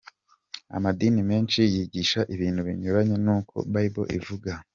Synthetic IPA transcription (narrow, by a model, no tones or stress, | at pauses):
a̰madiːnimeːnʃijiɟiːʃaʔiβiːnhuβḭɲuɾaɲenuːkʰo̞̰βaɾiβo̞̰ʔḭvuɡa